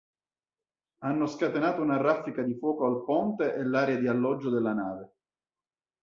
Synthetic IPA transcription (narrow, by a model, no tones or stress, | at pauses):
anːoskat̪enaːt̪ounarːafːikad̪ifwɔːkoalpɔnt̪eʔɛlːaːɾead̪ialːɔd͡ʒːod̪elːanaːve